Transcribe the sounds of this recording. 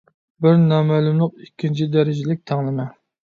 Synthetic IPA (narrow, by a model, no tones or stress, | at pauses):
bɪɾnɑmælˠumlˠəq̚ikʲʰːint͡ʃʰid̪æɾɪd͡ʒɪlɪk̚ʲt̪ʰɛŋlɪmɛ